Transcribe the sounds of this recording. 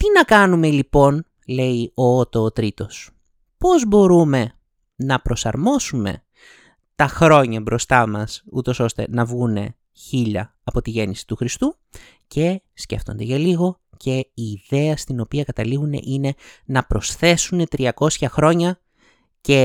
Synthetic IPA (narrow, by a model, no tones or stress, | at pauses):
t̪inɐkɐnume̞lipo̞n | le̞io̞ot̪oːt̪ɾit̪o̞s | po̞zbo̞ɾume̞ | nɐpɾo̞sɐɾmo̞sume̞̰ | t̪ɐxɾo̞ɲɐbɾo̞st̪ɐmɐsṵt̪o̞so̞st̪e̞̰nɐvɣune̞̰ | çiʎɐ | ɐpo̞t̪iʝe̞nisi̥t̪uxɾist̪u | ce̞sce̞̰ft̪o̞̰nd̪eʝɐliɣo̞ | ce̞iːðe̞ɐst̪ino̞piɐkɐt̪ɐliɣune̞̰ʔine̞nɐpɾo̞sθe̞sune̞t̪ɾiɐko̞sçɐxɾo̞ɲɐ | ce̞